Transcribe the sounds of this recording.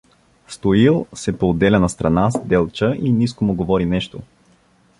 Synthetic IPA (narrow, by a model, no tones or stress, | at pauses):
st̪oilˠsɛpoːd̪ːɛlʲɐnɐst̪ɾɐnasd̪ɛlˠt͡ʃəʔiniskomʊɡovɔɾinɛʃt̪o